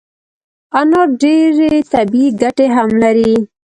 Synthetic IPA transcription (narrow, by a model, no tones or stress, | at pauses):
anoɖeɾet̪abiɡaʈeɦamlaɾi